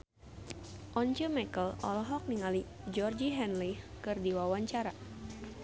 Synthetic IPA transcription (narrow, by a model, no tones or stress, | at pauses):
ʔɔnt͡ʃəmɛkəlɔ̰lɔɦɔk̚niŋali | d͡ʒɔrd͡ʒiɦɛnlikɨrdiwawaɲt͡ʃaɾa